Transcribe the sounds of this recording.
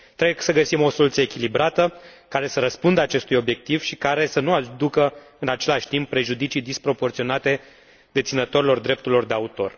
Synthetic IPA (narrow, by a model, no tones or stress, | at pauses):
t̪ɾeɡsəɡəsimo̞so̞lut̪sjəekʲilibɾat̪əkaɾe̞səɾəspund̪əat͡ʃe̞st̪ujo̞bje̞k̚t̪iv̥ʃikaɾe̞sənuad̪ukə | ɨnat͡ʃe̞laʃʲt̪impːɾe̞ʒud̪it͡ʃijd̪ispɾo̞po̞rt̪sio̞nat̪e̞ | d̪e̞t̪sinət̪o̞ɾilo̞rd̪ɾe̞p̚t̪uɾilo̞rd̪e̞aut̪o̞̰r